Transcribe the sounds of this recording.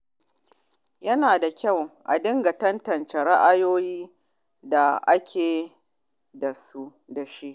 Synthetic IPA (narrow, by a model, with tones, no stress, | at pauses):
jɐ˦naː˨da˨kʲa˦˨wʔa̰˨dɪ˦ŋɡa˨tɐ˦ntɐ˨nt͡ʃe˨ɽa˦ʔa˦joː˦jiː˦ | da˨ʔa˦kʲʰeː˨ | da˨su˦ | da˨ʃi˦ʔ